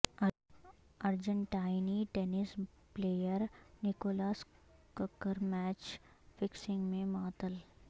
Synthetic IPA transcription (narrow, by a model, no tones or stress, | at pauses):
ɐɾd͡ʒə̃ɳʈaːɪniʈenɪs | pleːjəɾnɪkoːlaːskəkːəɾmɛːt͡ʃ | fɪksɪ̃ŋɡmẽmaːt̪əl